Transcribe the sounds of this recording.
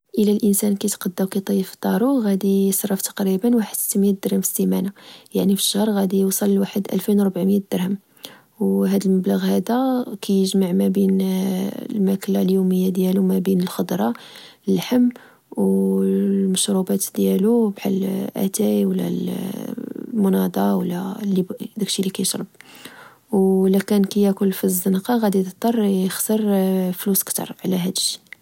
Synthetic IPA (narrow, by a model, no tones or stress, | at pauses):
ʔəlælʔənsænkæt̪qɑd̪ːæwkæjt̪ˤijəft̪ˤːɑɾˤuɣæd̪iəsɾˤːɑft̪ɑ̥qɾibənwaħəd̪st̪ːəmːid̪ːəɾhəmfə̥st̪imænajaʕnifə̥ʃːəhɾˤɣæd̪ijəwsˤɑllwaħəd̪ʔæ̰lfinwɾˤbʕməjæd̪əɾhəm | wɦæd̪əlməbləɣhæd̪ækʰæjəʒmaʕmæbin | lmækəlːaljuməjːad̪jælumæbinəlxɑd̪ˤɾˤɑləlħəmː | w | lməʃɾubæt̪d̪jælubħa̰lʔæ̰t̪æjwəlːæ̰l | mʊnɑd̪ˤɑwlːælːibd̪ækʃilːikæjəʃɾˤəb̚ | wlækænkæjækʊlfizːənqɑɣæd̪id̪ət̪ˤːɑrˤjəxsəɾˤfluskt̪ɑ̰ɾˤʕlæɦæd̪əʃːi̥